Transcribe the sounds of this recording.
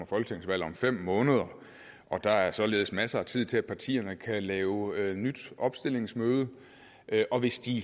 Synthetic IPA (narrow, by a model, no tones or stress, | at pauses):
ɐfɒ̽lɡ̥ə̥t͡sʰeŋ̰sʋæl̰ɒ̽mfem̰ːɔ̽ːnəð̞ˠɐ | ʔɒ̽d̥ɑ̈æɐsɒ̽le̝ːð̩ˠsmæsɐæt͡sʰið̞̰ˠt͡sʰe̝æ̥pʰɑ̈t͡sʰḭːɐnəkʰælɛːʊnyd̥ʔɒ̽b̥sd̥e̝le̝ŋsmøːð̞ˠə | ʔøʔɒ̽ʋe̝sd̥i